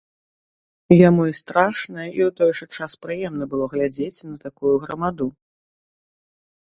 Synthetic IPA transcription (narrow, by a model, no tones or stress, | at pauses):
jamuist̪ɾaʂnɐjɐʔiwt̪ɔjɛʐɐt͡ʂaspɾɨjɛmn̪ɐbɨlˠɔɣlʲad͡zʲet͡sʲnɐt̪akujuɣɾɐmad̪u